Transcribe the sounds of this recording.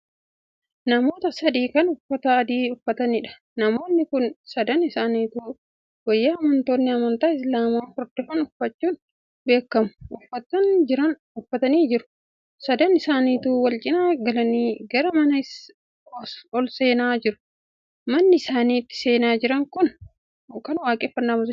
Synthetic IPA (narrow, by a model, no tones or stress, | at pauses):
nɐmo̞ːt̪ɐsɐd̪iːkɐnʊfːɐt̪ɐːd̪iːʊfɐt̪ɐnɪᶑɐ̥ | nɐmo̞ːnːɪkʊnsɐd̪ɐnɪsaːniːt̪uː | wɔjːaɐmɐnt̪o̞ːnːɪɐmɐnt̪aːɪs̬laːmaːfɔɾd̪ɔfɐnʊfɐt͡ʃːuːn | be̞ːkːɐmʊ̥ʔʊfːɐt̪ːɐnd͡ʒɪɾɐn | ʊfːɐt̪ɐniːd͡ʒɪɾʊ̥ | sɐd̪ɐnɪsaːniːt̪uːwɐlt͡ʃʼɪnaːɡɐlɐniːɡɐɾɐmɐnɐɪs | ɔlse̞ːnaːd͡ʒɪɾʊ̥ | mɐnːɪɪsaːniːt̪ːɪ̥se̞ːnaːd͡ʒɪɾɐŋkʊn | kɐnwaːkʼeːfɐnːaːbɐzʊ